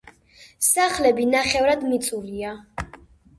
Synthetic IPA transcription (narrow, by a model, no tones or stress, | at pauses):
saχlɛbinaχɛvɾad̪mit̪sʼulia